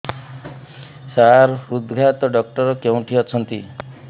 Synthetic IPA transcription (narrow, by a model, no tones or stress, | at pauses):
saɾud̪ɡʱat̪ɔɖɔk̚ʈʌɾɔkjew̃ʈʰiʌt͡sʰʌnt̪i